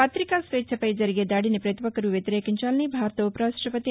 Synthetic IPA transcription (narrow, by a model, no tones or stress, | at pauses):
pɐt̪ɾikasʋet̪ʃʰɐpɐjd͡ʒɐɾiɡed̪aːɽinipɾɐt̪iʋɐkɐɾuʋjɐt̪iɾeːkiɲt͡ʃaːlɐnibʱaːɾt̪ɐupɾaːsɾɐpɐt̪i